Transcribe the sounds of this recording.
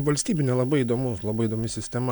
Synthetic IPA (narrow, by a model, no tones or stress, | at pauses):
ʋɐlʲsʲt̪ʲiːbʲɪnʲɛlˠɐbɐɪid̪oːmʊslˠɐbɐɪid̪oːmʲɪsʲɪsʲt̪ʲɛm